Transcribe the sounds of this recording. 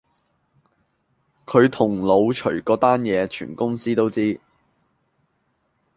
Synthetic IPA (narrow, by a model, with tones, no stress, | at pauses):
kʰɵ˨˧ɥt̪ʰʊ˨˩ŋlo˨˧wt͡ʃʰɵ˨˩ɥkɔː˨˥t̪aː˥njɛː˨˧t͡ʃʰy̰ː˨˩nkʊ˥ŋsiː˥t̪o˥wt͡siː˥